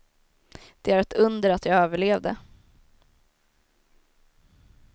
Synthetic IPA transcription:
d̪̥ɛæɾɛt̪ʰɵnd̪əɾat̪jɑːøːvəɭeːvd̪ə̰

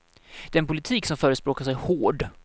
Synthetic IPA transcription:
d̪ɛnpʰʊlɪt̪ʰiːksɔmfœːɾəspɾoːkaʂɛjhoːɖ

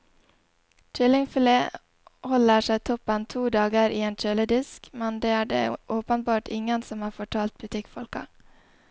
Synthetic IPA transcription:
t͡ʃʏlɪŋfleː | hɔləʃæɪt̪ʰɔpənt̪ʰuːd̪ɑːɡəɾʔiːeːnt͡ʃøːləd̪ɪskmɛnd̪eːæːɖḛːʔoːpənbɑːʈʰɪŋənsɔmhɑːɾfɔʈʰɑːlt̪̚bʉt̪ʰɪkfɔlkɑ̰

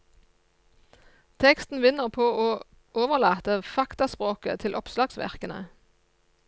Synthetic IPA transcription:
t̪ʰɛkst̪n̩ʋɪnəʁpʰoːʔoː | ʔoːʋəʁlɑːt̪əfɑkt̪ɑspʁoːkə̰t̪ʰɪlʔɔpslɑːɡsʋæ̰ʁkənə̰

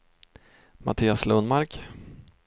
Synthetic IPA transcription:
ma̰t̪ʰiːaslɵnmaɾk

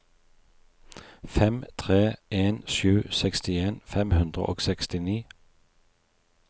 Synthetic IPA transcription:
fɛmt̪ʰʁeːʔeːnʃʉːsɛkst̪ɪeːnfɛmhʉnd̪ʁə̰ʔo̰ːɡsɛkst̪ɪniː

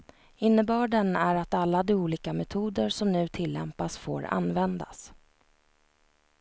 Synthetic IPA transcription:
ɪnːəbœːɖɛnæɾat̪alːad̪ɪuːliːkamɛt̪ʰuːd̪əʂɔmnʉ̟ːt̪ʰɪlːɛmpasfo̰ːɾa̰nvɛnd̪a̰s

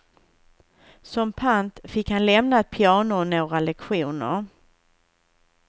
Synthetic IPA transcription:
sɔmpʰant̪fɪkhanlɛmnat̪̚pʰɪɑːɳʊnoːɾalɛkɧuːnə̰ɾ

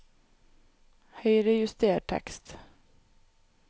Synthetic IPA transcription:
hœjɾɛjɪst̪eːʈʰɛ̰kst̪

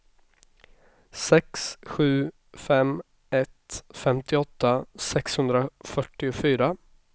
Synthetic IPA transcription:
sɛksɧʉ̟ː | fɛm | ɛt̪fɛmt̪ʰɪɔt̪ːasɛkshɵnd̪ɾafœʈːɪʊfyːɾa

